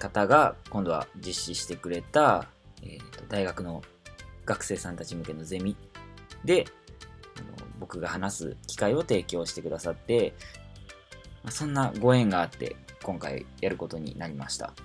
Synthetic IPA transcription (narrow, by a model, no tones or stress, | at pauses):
kat̪aɡakõ̞nd̪o̞βa̰d͡ʑiɕːiɕi̥t̪e̞kɯ̟ɾe̞t̪aḛt̪ːo̞d̪aiɡakɯ̟no̞ | ɡ̥akɯ̟̥se̞ːsãnt̪at͡ɕimɯ̟ke̞no̞ze̞mʲid̪e̞ | ano̞̰bo̞kɯ̟ɡahanasɨ̰kʲi̥kaio̞t̪e̞ːkʲo̞ːɕi̥t̪e̞kɯ̟d̪asat̪ːe̞ | masõ̞nːaɡo̞ẽ̞ŋɡaːt̪ːe̞̰kõ̞ŋka̰ḭjaɾɯ̟ko̞t̪o̞ɲ̟ḭnaɾʲimaɕi̥t̪a̰